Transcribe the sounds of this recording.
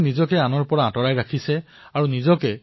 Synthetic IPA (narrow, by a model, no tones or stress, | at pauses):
nizɔkɛanɔɹpɔɹaãtɔɹajɹakʰisɛ | aɹunizɔkɛ